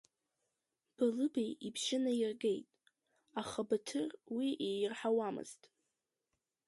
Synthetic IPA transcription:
b̥alɨbejibʃɪnajɪrɡe̞jtʼ | aχabatʰɨrwiʔejrħawamɨ̰z̥tʼ

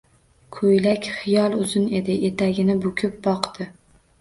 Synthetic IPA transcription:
kʰojlakʲχɪjɒlˠɵzɪne̞d̪ɪʔet̪ʰaɡʲɪnɪbʊkʲʰɪp̚bɒqd̪̥ɪ

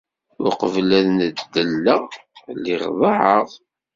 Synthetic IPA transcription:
ʊɾqəvlæðnəd̪d̪ːəlːəlːiʁðˤɑʕəʁˤ

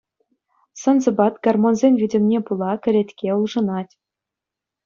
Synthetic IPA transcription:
sɤ̆nzɤ̆bɑt̪ɡ̥ɑrmonzʲenʲvʲidʲɘ̆mnʲepulˠɑkʲɘ̆ɾʲet̪ʲkʲeulˠʐɤ̆nɑtʲ

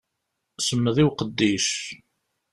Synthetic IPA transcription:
səmːəðˤiwqəd̪ːiʃ

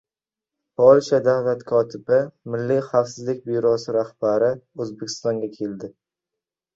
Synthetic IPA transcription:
pʰɒlʃad̪avlat̪kʰɒt̪ʰɪbɪmɪlːijχafsɪzlɪk̚ʲbiɾɒsɪɾahbaɾɪɵzbekʲʰɪ̥st̪ɒŋɡʲakʲʰe̞ld̪ɪ

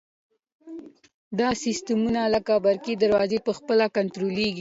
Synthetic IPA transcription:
d̪ɑsɪst̪əmunalakɑbaɾkid̪aɾwɑzepəxpəlakant̪ɾoleɡi

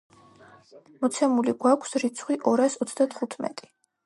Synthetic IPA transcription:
mɔt̪sʰɛmuliɡwakʷʰsɾit̪sʰχwiʔɔɾasɔt̪sʰd̪at̪ʰχut̪ʰmɛ̰t̪ʼi̥

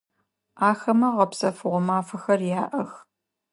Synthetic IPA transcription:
aːxɐmɐʁɐpsɐfɨʁʷɔmaːfɐxɐrjaːʔɐx

